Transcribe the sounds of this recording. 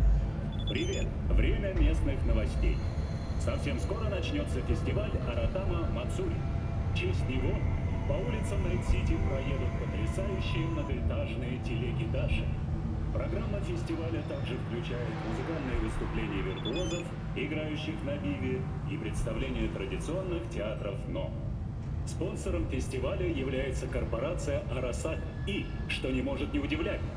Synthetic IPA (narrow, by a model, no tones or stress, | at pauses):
pɾʲɪvʲe̞t̪vɾʲemʲəmʲe̞snɨxnəvɐsʲtʲḛj | sɐfsʲe̞msko̞ɾənɐt͡ɕnʲo̞t̪səfʲɪsʲtʲɪvalʲɐɾɐt̪aməmɐt̪suɾʲɪ | t͡ɕesʲt̪ʲnʲɪvopɐulʲɪt̪səmnɐt̪sʲitʲɪpɾɐjed̪ʊt̪̚pət̪ɾʲɪsajʊɕːɪjənəzʲɪt̪aʐnɨjətʲɪlʲɪɡʲɪt̪aʐɨ̰ | pɾɐɡɾamːəfʲɪsʲtʲɪvalʲət̪aɡʐɨfklʲʉt͡ɕæjɪt̪mʊzɨkalnːɨjəvɨst̪ʊplʲenʲɪjəvʲɪrt̪ʊo̞zəf | ɪɡɾajʉɕːɪxnɐbʲivʲɪ | ipɾʲɪt̪st̪ɐvlʲenʲɪjət̪ɾədʲɪt̪sɨo̞nːɨxtʲɪat̪ɾəfno̰ | spo̞nsəɾəmfʲɪsʲtʲɪvalʲəjɪvlʲæjɪt̪səkərpɐɾat̪sɨjəʔɐɾɐsa | i | ʂt̪onʲɪmo̞ʐɨt̪nʲɪʊdʲɪvlʲætʲ